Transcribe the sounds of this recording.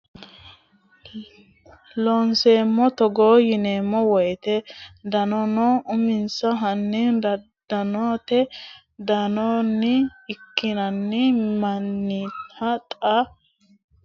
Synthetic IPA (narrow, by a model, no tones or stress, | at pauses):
lɔnseːmːɔt̪ɔɡoːjɪneːmːɔwɔjt̪ɛd̪ɐnɔnɔʊmɪnsɐɦɐnːɪnd̪ɐ | d̪̥ɐnoːt̪ɛ | d̪ɐnɔnːɪɪkːɪnɐnːɪmɐnːit̪ʰɐt̪ʼɐ